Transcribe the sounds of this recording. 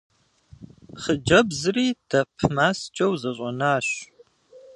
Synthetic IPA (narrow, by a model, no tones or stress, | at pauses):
χəd͡ʒɐbzɨriːd̥ɐpʰmaːst͡ʃʼɐwzɐɕʼɔnaːɕ